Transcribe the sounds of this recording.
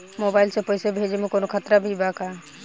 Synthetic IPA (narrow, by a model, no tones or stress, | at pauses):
mobajlsepəɪsebʱed͡ʒemekonokʰat̪ɾabʱibaka